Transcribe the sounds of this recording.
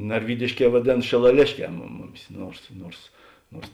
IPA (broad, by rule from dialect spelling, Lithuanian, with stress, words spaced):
nɐrʲˈʋʲiːdʲɪʃʲˌkʲɛː ʋɐˈdʲeːn ʃʲɪlˠɐˈlʲeːʃʲˌkʲɛː mʊm ˈmʊˌmʲɪs ˈnuɔrs ˈnuɔrs ˈnuɔrs